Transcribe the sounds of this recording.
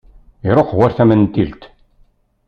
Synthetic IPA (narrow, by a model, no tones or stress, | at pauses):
iɾˤoqwæɾθæmənt̪ːilt̪